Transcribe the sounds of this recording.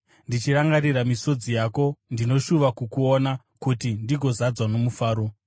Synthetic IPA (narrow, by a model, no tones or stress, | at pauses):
ndit͡ʃiɾaŋɡariɾamiso̞d͡zijako̞ndino̞ʃuʋakukuona | kutindiɡʱo̞zad͡zwano̞mufaːɾo̞